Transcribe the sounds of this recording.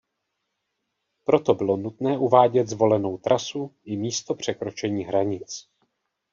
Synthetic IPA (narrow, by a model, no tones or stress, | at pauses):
pɾo̞t̪o̞bɪlo̞nut̪nɛːʔuvaːɟɛd̪zvo̞lɛno̞wt̪ɾʔasuʔɪmiːst̪o̞pr̝̥ɛkɾo̞t͡ʃɛɲiːɦɾaɲɪt͡s